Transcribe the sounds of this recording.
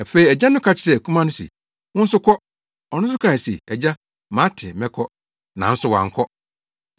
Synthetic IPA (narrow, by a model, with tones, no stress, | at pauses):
æ˨fe˦i˨ɛ˨d͡ʑa˦nʊ̃˦kʰa˨t͡ɕʰɪ˨ɾɛ˨kʰũ˦mã˦nʊ̃˦sḭ˨ | wʊ̃˦n̩˦sʊ˦kʰɔ˦ | ɔ˨nʊ̃˦s̬ʊ˦kʰã˨sḭ˨ɛ˨d͡ʑa˦ | mã˨˦tʰɪ̰˨mɛ̃˦kʰɔ˦ | nã̰˨n̩˦sʊ˦wã̰˨ŋ̩˨kʰɔ˦